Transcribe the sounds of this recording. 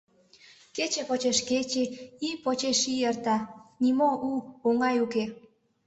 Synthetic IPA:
ket͡ɕepot͡ɕeʃket͡ɕeipot͡ɕeʃiert̪ɑnimoʔuoŋɑjuke

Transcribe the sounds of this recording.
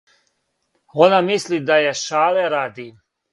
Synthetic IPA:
onamislid̪ajeʃaːleɾaːd̪i

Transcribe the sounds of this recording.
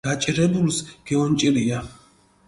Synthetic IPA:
at͡ʃʼiɾɛbulsɡ̥ɛɔnt͡ʃʼiɾia

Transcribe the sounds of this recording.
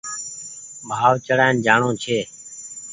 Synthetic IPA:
bʱaːʋt͡ʃəɽaːɪnd͡ʒaːɳõːt͡ʃʰeː

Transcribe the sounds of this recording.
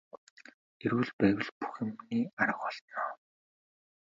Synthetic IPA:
eɾuːɮpæːwɘ̆ɮpu̥xɘ̆mniːaɾə̆χɔɮt̪nɔː

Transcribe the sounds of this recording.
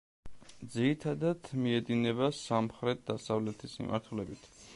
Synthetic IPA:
d̪ziɾit̪ʰad̪ad̪̥miɛd̪inɛbasamχɾɛt̪̚d̪asavlɛt̪ʰismḭmʔa̰ɾt̪ʰulɛbit̪ʰ

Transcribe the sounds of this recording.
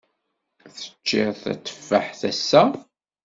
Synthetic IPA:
θə̥t͡ʃːɪɾθæ̰t͡sːə̥fːaħθæsːæ

